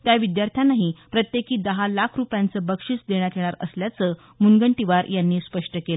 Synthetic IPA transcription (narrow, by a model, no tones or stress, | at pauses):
t̪jaʋid̪jaɾt̪ʰjanaɦipɾət̪jekiːd̪əɦalakʰɾupjant͡səbəkʂit͡sd̪eɽ̃jat̪ʰjeɽ̃aɾə̰sljat͡səː | munɡəɳʈiʋaɾjanːiːspəʂʈəkelə